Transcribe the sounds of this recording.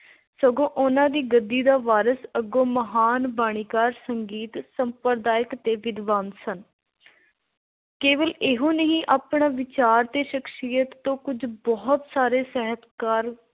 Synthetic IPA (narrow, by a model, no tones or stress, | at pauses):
səɡõːʔʊnãːd̪iːɡəd̪ːiːd̪aːʋaːɾəsəɡõːməɦaːnbaːɽ̃iːkaːɾsəŋɡiːt̪səmpəɾd̪aːjɪkt̪eːʋɪd̪ʋaːnsən | keːʋəleɦõːnəɦĩːʔaːpɳaːʋɪt͡ʃaːɾt̪eːʃəkʰʃiːjət̪ːõːkʊd͡ʒbɔːt̪saːɾeːsɛɦət̪kaːɾ